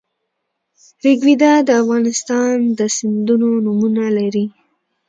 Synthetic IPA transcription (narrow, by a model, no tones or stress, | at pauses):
ɾɪɡwid̪ad̪əafɣɑnɪst̪ɑnd̪əsɪnd̪unonumunalaɾi